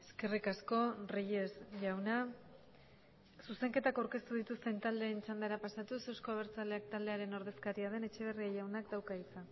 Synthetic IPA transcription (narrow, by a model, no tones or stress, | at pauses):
e̞ske̞rikasko̞rije̞sʝawna | suse̞ŋke̞t̪akawɾke̞st̪uðit̪ust̪e̞nt̪ald̪e̞ːnt͡ʃand̪aɾapasat̪usewskoaβ̞e̞ɾt͡sale̞ak̚t̪ald̪e̞aɾe̞no̞ɾð̞e̞skaɾiað̞e̞ne̞t͡ʃe̞β̞e̞riaʝawnakd̪awkait͡san